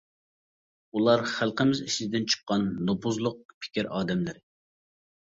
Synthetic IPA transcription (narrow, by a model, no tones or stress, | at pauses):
ulˠɑɾχælˠqəmɪziʃɪd̪ɪnt͡ʃʰə̥qːɑnːopʰuzlˠʊq̚pʰɪ̥kʲiɾɑːd̪ɛmlɪɾɪ